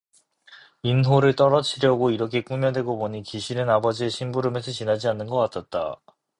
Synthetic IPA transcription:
inɦoɾɯɭt͈ʌɾʌt͡ɕʰiɾjʌɡoiɾʌkʰe̞k͈umjʌde̞ɡopoɲikiɕʰiɾɯnabʌd͡ʑieɕʰinbuɾɯme̞sʰʌt͡ɕinad͡ʑianːɯnɡʌk͈atʰat̚t͈a̰

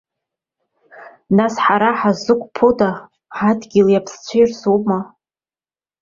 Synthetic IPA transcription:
nasħaɾaħazɨkʷʼpʰoda | ħadɡʲiljapʰst͡ɕʷʰejrsuma

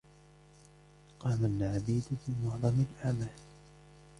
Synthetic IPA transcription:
qɑːmamɪnʕabiːd̪fiːmʊʕðˤɑmɪlʔamaː

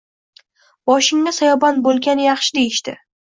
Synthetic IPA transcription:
bɒʃɪŋːasajɒbanbolˠɡʲanjɑχʃɪd̪e̞jɪʃt̪ɪ̰

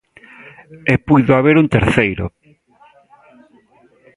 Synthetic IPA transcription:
epujðʊaβeɾunt̪eɾθejɾʊ̰

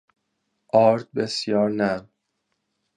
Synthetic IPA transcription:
ʔɒːɾd̪̚besjɒːɾnæ

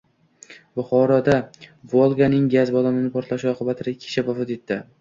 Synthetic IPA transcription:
bʊχɒɾɒd̪avolˠɡanɪŋɡʲazbɒlamɪnɪpʰɒɾt̪laʃuɒqʰɨbat̪ʰɪɾakʲʰɪ̥t͡ʃʰabafɪt̪e̞t̪ʰːɪ

